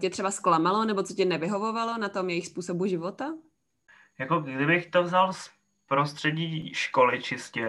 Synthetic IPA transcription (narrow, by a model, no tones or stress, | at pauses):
cɛt̪r̥ɛbasklamalo̞nɛbot͡socɛnɛvɪɦo̞vo̞valo̞nat̪o̞mjɛjɪxspuːso̞buʒɪvo̞t̪a | jakoɡdɪbɪxt̪ovzals | pɾost̪r̥ɛɟiːʃkolɪt͡ʃɪscɛ